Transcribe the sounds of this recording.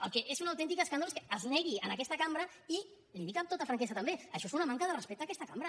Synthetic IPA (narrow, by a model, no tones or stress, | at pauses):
əlˠkɛʔezunawt̪ɛnt̪̬ikəskanoleskəəznɛɣiənəkɛst̪əkambɾə | i | linikamt̪ot̪əfɾaŋkesət̪əmbeəʃɔezunɐmaŋkəðərəspɛk̚t̪aːkɛst̪əkambɾə